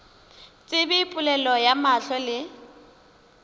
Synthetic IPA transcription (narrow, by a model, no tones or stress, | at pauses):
t͡sʼɪbɪipʼʊlɛlɔjamaɬɔlɪ